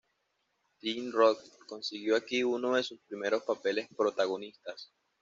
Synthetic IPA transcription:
t̪inrokko̞nsiɣjo̞akiuno̞ðe̞suspɾime̞ɾo̞spape̞le̞spɾo̞t̪aɣ̞o̞nist̪as

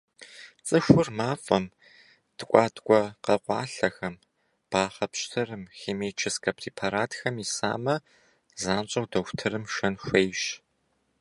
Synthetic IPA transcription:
t͡sʼɨxʷʊrmaːfʼɐm | d̥ɨkʷʼɑːtʰʼkʷʼɔqɐqʷɑ̰ːɬɐxɐm | b̥aːχɐpɕtʰɨrɨmxeːmeːt͡ʃʰɪskʰʼɐpʰriːpʰaɾaːtʰxɐmisa̰ːmɐ | zaːɕʼɐwdɐxʷtʰɨrɨmʃɐnʃʷejɕ

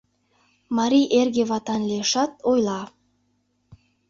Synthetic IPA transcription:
mɑɾiʔerɡʲevɑt̪ɑnlʲeʃɑt̪̚ojlˠɑ

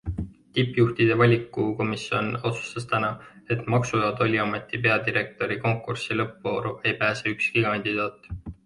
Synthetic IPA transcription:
t̪ipːˑjuht̪id̪e̞vɑlʲikːˑuko̞misio̞no̞t̪su̥st̪ɑst̪ænɑ | e̞t̪ˑmɑksujoːd̪o̞lʲiɑme̞t̪ːˑipe̞ɑd̪iɾe̞k̚t̪o̞ɾiko̞ŋkːˑursilɤpvoːɾuʔe̞jpæːse̞ykskikɑnʲd̪̥id̪̥ɑːt̪ˑː

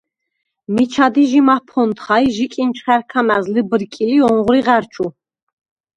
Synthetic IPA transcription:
mit͡ʃʰad̪iʒimapʰɔnt̪χajʒikʼint͡ʃʰχæɾkʰamæzlibəɾkʼiliɔɴʁɾiʁæɾt͡ʃʰʼu

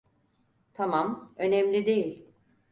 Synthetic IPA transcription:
t̪ʰamamø̞nɛmlʲid̪e̞jilʲ

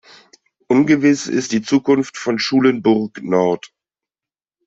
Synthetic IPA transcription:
ʔʊnɡəvɪsɪ̰std̥iːt͡suːkʊnftfɔnʃuːlənbʊʁknɔɐt

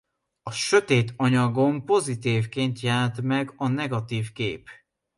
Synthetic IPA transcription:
ɒʃø̞t̪eːt̪ʰɒɲɒɡo̞mpo̞zit̪iːvkeːnt̪jaːt̪mɛɡɒnɛɡɒt̪iːfkḛːp

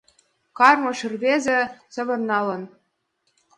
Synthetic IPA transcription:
kɑrmɤ̆ʃirβezʲĕsɤ̆βɤ̆rnɑlɤ̆n

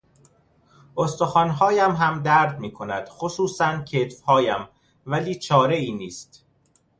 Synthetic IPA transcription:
ʔost̪oxɒːnɦɒːjæmɦæmd̪æɾd̪miːkʰo̞næd̪̥xosuːsæncʰet̪fhɒːjæm | væliːt͡ʃʰɒːɾe̞iːniːst̪

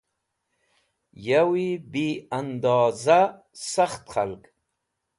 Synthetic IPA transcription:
jawibiand̪ɑːza | saxt̪χa̰lk

